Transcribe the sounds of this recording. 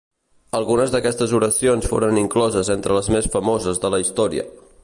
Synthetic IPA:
əlˠɣunəzðəkɛst̪əzuɾəsionsfo̰ɾəniŋklɔzəzent̪ɾələzmesfəmozəzðələist̪ɔɾiə̰

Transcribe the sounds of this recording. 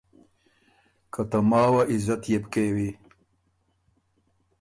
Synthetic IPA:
kɐt̪ɐmɑːwaʔizɐt̪jebkewi

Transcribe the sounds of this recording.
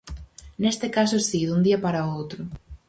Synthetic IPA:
nest̪ɪkas̬ʊsiðund̪iɐpaɾɐowt̪ɾʊ

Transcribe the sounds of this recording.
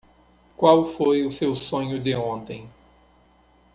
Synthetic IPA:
kwawfojʊsewsõɲʊd̪ɪõnt̪ẽj̃

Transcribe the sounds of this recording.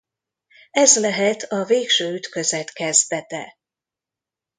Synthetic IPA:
ɛzlɛɦɛt̪ʰɒveːkʃøːyt̪køzɛt̪kɛzd̪ɛt̪ɛ̰

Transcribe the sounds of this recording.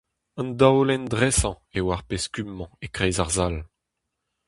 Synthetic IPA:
ɑ̃nd̪awlɛndʁɛsɑ̃ | ewaʁpeskymːɑ̃ekʁɛjzaʁzal

